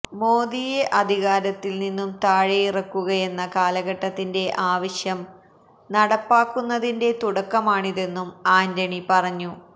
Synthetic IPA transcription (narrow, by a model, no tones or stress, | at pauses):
mo̞ːd̪ije̞ʔɐd̪ʱiɣaːɾɐt̪ːilninːumt̪aːɻejirɐkːuɣɐje̞nːɐkaːlɐɣɐʈːɐt̪ːinde̞ʔaːʋɐɕjɐm | nɐɽɐpːaːkːunːɐðinde̞t̪uɽɐkːɐmaːɳiðe̞nːumaːndɐɳipɐrɐɲːu